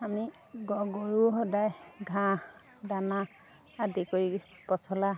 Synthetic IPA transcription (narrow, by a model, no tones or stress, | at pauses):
ami | ɡɔɡɔɹuɦɔdajɡʱã | danaː | dikoi | pɔsɔla